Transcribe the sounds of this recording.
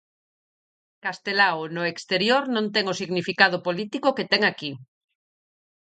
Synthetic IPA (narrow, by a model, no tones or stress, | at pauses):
kast̪elaonʊekst̪eɾjoɾnõnt̪ɛŋosiɣnifikað̞ʊpolit̪ikoket̪ɛŋaki